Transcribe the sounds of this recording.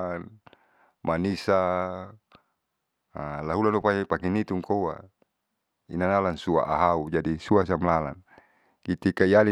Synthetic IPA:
n | manisa | alaɦulanupaɲpakinit̪uŋkowa̰ | ḭnanalansua̰ʔaɦaud͡ʒadisuas̬amlala̰n | kit̪ikaiali

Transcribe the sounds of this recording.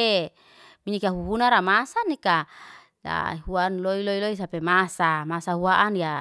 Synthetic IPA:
e | miɲikaɦuɦunaɾamasanika | ja̰ɦuanloiloilois̬apemasamasaɦuaʔanja

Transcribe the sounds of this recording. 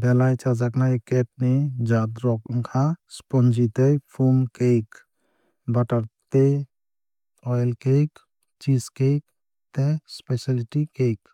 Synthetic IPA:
bɛlajt͡ʃad͡ʒaknajkeʈ̚ned͡ʒad̪ɾɔkŋkʰaspɔnd͡ʒit̪ejpʰumkejk | baʈəɾt̪e | ɔjlkejk | t͡ʃiskejk | t̪espesaliʈikejk

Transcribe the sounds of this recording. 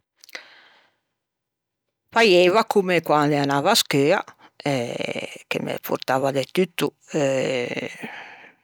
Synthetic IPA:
pajɛːvakumɛkwand̪ɛanaːvaskɛːa̰ | ɛkḛmɛ̰pʰṵɾt̪aːvad̪ɛt̪yt̪ːu | ɛ

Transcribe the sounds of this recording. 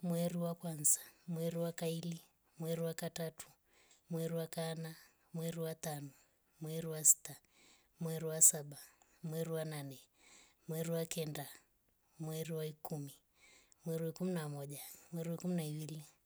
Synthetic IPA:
mwɛɾiwakwanzḁmwɛɾiwakaili | mwɛɾiwakatatʰu̥ | mwɛɾiwakaːna | mwɛɾiwat̪anɔ | mwɛɾiwasi̥ta | mwɛɾiwasaɓa | mwɛɾiwananɛ | mwɛɾiwakɛnda | mwɛɾiwaikumi | mwɛɾiwaikuminamɔʄamwɛɾiwaikuminaiwili

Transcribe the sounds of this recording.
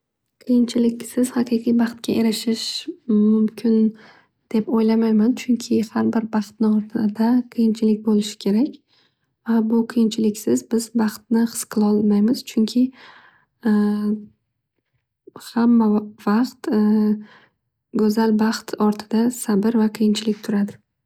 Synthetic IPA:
qʰɨjɪnt͡ʃʰɪlɪkʲsɪz̥hɑqʰɨqʰijbɑqt̪̚kʲaʔe̞ɾɪʃɪʃmʊmkʲʰɪn | d̪̥e̞pojlamajmant͡ʃʰʊŋkʲʰɪhaɾbɪɾbɑχt̪̚nɪɒɾt̪ʰɪd̪aqʰɨjɪnt͡ʃʰɪlɪkʲbolɪʃɪ̥kʲʰe̞ɾakʲ | vabʊqʰɨjɪnt͡ʃʰɪlɪkʲsɪzbɪzbɑχt̪̚nɪχɨ̥sqʰɨlˠɒlˠmajmɪz̥t͡ʃʰʊŋkʲʰɪ | hamːavɑqt̪ | ɡɵzalbɑqt̪ɒɾt̪ʰɪd̪asabɪɾvaqʰijɪnt͡ʃʰɪlɪk̚ʲt̪ʰʊɾad̪ɪ

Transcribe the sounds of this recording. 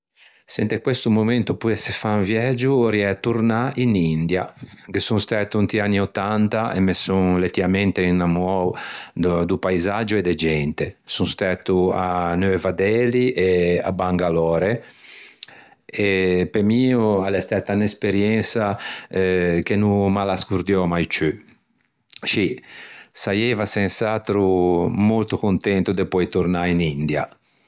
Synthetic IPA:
sɛnt̪ekwest̪umoment̪upuɛsefanvjɛd͡ʒːuɾiɛt̪uɾnainind̪jaɡesũnst̪ɛt̪ːuunt̪ianːiot̪ːant̪aʔḛmesuŋlet̪ːivamɛnt̪einamɔw̪ | d̪upaizad͡ʒued̪ɛd͡ʒɛnt̪esũnst̪ɛt̪ːuanøevad̪ɛliʔea̰baŋɡalɔːɾe | epemiualɛst̪ɛt̪ːanespeɾjɛnsaɛk̟enumalaskuɾd̪jɔmajt͡ʃy | ʃisajɛvasɛnsat̪ɾumolt̪ukunt̪ɛnt̪ud̪epɔjt̪uɾnainind̪ja̰

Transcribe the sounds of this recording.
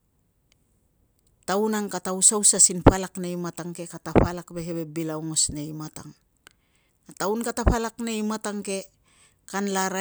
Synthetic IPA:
tawnaŋkatawsawsasinɸalakneimataŋke̞kataɸalakbe̞ɦebe̞bilawŋo̞sne̞jmataŋ | ataunkataɸalakne̞imataŋke̞ | kanlaɾa

